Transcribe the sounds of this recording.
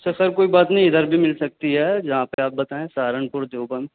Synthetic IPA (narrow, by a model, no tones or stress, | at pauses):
sɐsɐɾkoːibaːt̪nɐɦĩɪd̪əɾbʱimɪlsɐk̚t̪iɦɛːd͡ʒɐɦãpeaːp̚bɐt̪aːẽsaːɾəɳpʊɾd̪oːbən